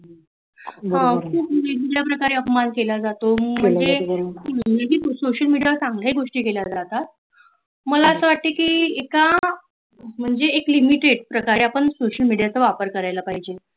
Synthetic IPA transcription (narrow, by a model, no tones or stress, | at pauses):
ɦãkuped̪iɡɽjapɾəkaɾeəpmankelad͡zat̪om̤əɳd͡ze̤əleɦiːsoɕəlmiɽijasãŋɡlaɦiɡoʂʈiːkelad͡zat̪at̪̚ | məlaəsəʋaʈ̪̚t̪ekiːeka | m̤əɳd͡zeːklimiʈeɽpɾəkaɾeapəɳsoɕəlmiɽijat͡səʋapəɾkəɾajlapaɦid͡ʑe